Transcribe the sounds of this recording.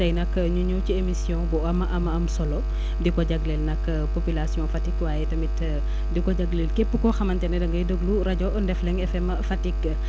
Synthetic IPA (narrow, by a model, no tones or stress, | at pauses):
tɐjnɐk | ɲuɲuwciemisjɔ̃bɔɐmɐʔɐmɐɐmsɔlɔ | dikɔɟɐɡlɛlnɐk | popylasjɔ̃fatikwaːjɛtɐmit | dikɔɟɐɡlelkepːukɔxɐmɐntɛnɛdɐŋɡɐjdəɡluɾɐɟɔndɛflɛŋɛfɛm | fatikːɐ